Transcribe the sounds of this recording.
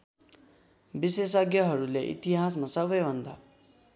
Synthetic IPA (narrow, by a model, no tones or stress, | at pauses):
bisesʌɡjʌɦʌɾuleʔḭt̪iɦasmasʌbʌjbʱʌnd̪a̰